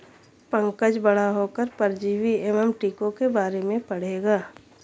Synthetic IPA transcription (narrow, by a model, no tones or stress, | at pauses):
pə̃ŋkəd͡ʒbɐɽ̤aɦokəɾpəɾd͡ʒiːʋiɛmɛmʈiːkõkebaːɾemẽpɐɽ̤eːɡaː